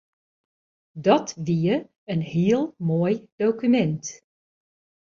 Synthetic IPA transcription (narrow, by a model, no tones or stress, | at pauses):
dɔtʋiə | ənhiəlˠmoːəjd̥owkymɛnt